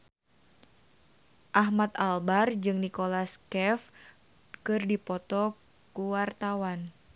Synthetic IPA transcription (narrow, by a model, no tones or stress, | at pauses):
ʔaɦmat̪albard͡ʒɨŋnikolaskɛf | kɨrdipɔt̪ɔ | kuwart̪awan